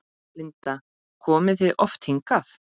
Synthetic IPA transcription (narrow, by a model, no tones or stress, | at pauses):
lɪnt̪a | kʰɔːmɪθvɪðʔɔft̪hiŋkaθ